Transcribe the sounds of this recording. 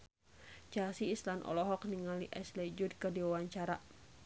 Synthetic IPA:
t͡ʃasiːslanʔɔ̰lɔɦɔk̚niŋaliʔɛslɛd͡ʒudkərdiwawaɲt͡ʃaɾa

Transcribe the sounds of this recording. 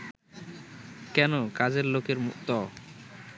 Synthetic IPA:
kɛnokad͡ʑeɾlokeɾmukt̪ɔ

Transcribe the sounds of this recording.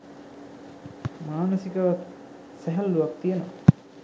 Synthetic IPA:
maːnəsikəʋat̪ | sæɦɛlːuʋak̚t̪ijenoʋa̰

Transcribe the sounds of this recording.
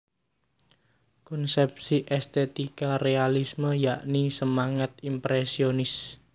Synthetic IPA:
kɔnsɛp̚siʔɛst̪et̪ikarealisməjaʔnisəmaŋət̪̚impɾɛsionɪs

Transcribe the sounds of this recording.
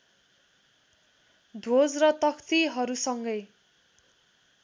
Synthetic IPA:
d̪ʱod͡zrʌt̪ʌkʰt̪iɦʌɾusʌŋɡʌj

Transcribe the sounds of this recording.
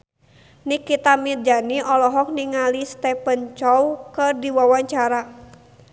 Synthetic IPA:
nikit̪amird͡ʒaniʔɔlɔɦɔk̚niŋalist̪ɛpənt͡ʃɔwkərdiwawaɲt͡ʃaɾa

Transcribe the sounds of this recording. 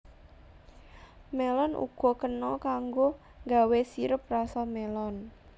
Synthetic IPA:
melɔnʔṵɡ̥ɔ̤kənɔkaŋɡo | ŋɡawesiɾəp̚rasamelɔn

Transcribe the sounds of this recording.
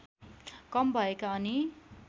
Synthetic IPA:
kʌmbʱʌekaʌni

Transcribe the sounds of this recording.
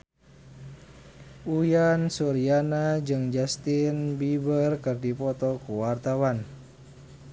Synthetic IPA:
ujansuɾianad͡ʒɨŋd͡ʒast̪inbibərkɨrdipɔt̪ɔkuwart̪awan

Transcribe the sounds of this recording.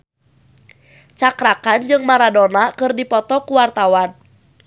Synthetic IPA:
t͡ʃakɾakand͡ʒɨŋmaɾadɔnakɨrdipɔt̪ɔkuwart̪awan

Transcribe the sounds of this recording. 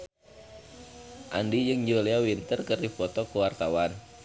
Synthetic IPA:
ʔa̰ndijd͡ʒɨŋd͡ʒoliawint̪ərkərdipɔt̪ɔkəwart̪awan

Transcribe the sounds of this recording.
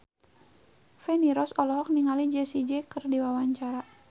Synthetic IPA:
fɛniɾɔsɔlɔɦɔk̚niŋalid͡ʒɛsid͡ʒɛkɨrdiwawaɲt͡ʃaɾa

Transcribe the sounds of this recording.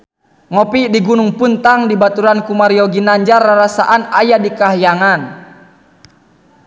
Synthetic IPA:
ŋɔpidiɡunuŋpunt̪aŋdibat̪uɾankumaɾiɔɡinaɲd͡ʒarːaɾasa̰ʔanajadikaɦjaŋan

